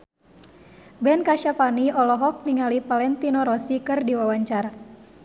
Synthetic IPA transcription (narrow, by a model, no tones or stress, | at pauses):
bɛnkaʃafaniʔɔlɔɦɔk̚niŋalipalɛnt̪inɔɾɔsikɨrdiwawaɲt͡ʃara